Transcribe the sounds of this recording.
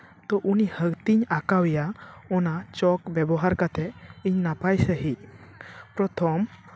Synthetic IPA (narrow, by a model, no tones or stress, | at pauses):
t̪ɔʔunihəkt̪iɲakawɛjaɔnat͡ʃɔkbɛbɔɦaɾkat̪ʰɛiɲnapajsəɦit̪̚ | pɾɔt̪ʰɔm